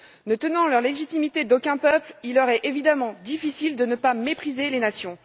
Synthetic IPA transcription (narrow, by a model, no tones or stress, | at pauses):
nət̪ənɑ̃lœʁleʒit̪imit̪ed̪okʲɛ̃pœplilːœʁɛʔevid̪amɑ̃d̪ifisild̪ənəpamepχizelenasjɔ̃